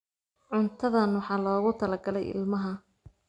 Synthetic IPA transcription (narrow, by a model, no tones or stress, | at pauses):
ʕʊnt̪ʰɐðɐnwɑħɑːlɔːɣʊt̪ʰɐlɐɡɐlɛ̰jʔɪ̰lmɐɦɐ